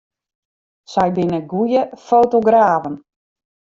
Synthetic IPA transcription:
sɛjbɪnəɡujəfowtoɡraːvən

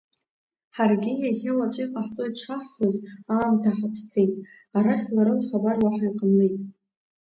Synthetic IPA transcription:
ħarɡʲɪjaχʲawat͡ʃʷʼijqʼaħt͡sʼojʈ͡ʂʰaħħʷazaːmtʰaħaʈ͡ʂʰt͡sʰejtʼ | aɾaχʲlaɾawχabarwaħajqʼəmejtʼ

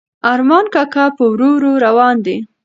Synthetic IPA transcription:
ɑɾmɑnkakapəwɾoɾoɾawɑnd̪e

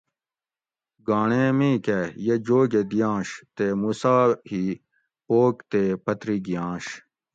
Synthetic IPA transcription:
ɡaːɳeːmĩːkejed͡ʑoːɡed̪ijãːɕt̪emuːsaːhiː | poːkt̪eːpɐt̪ɾiɡijãːɕ

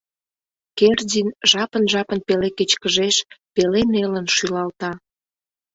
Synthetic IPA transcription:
kerdinʒɑpənʒɑpənpeleket͡ɕkəʒeʃpelenelənʃylɑlt̪ɑ

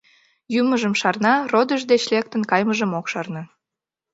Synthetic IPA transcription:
jyməʒəmʃɑrnɑrod̪əʒd̪et͡ɕlek̚t̪ənkɑjməʒəmokʃɑrnə

